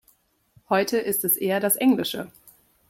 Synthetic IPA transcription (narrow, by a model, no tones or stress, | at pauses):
hɔʏtʰəʔɪstɛsʔeːɐdasʔɛŋlɪʃə